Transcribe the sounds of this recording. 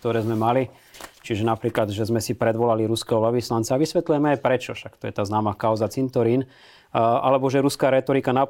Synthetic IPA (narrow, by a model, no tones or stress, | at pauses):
k̚t̪ɔɾɛːzmɛmali | t͡ʃiʒɛnapɾiːklad̪ʒɛzmɛsipɾɛd̪ʋɔlaliɾuskɛːɦɔʋlɛʋislant̪t͡saːʋisʋɛt̪lujɛmɛajpɾɛt͡ʃɔʃakt̪ɔjɛt̪aːznaːmaːkaʊzat͡sint̪ɔɾin | ʔalɛbɔʒɛɾuskaːɾɛːt̪ɔɾikana